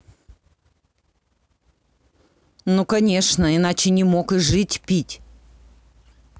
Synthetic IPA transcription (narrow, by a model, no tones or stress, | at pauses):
nokɐnʲe̞ʂnəɪnat͡ɕɪnʲɪmo̞kɨʐɨtʲpʲitʲ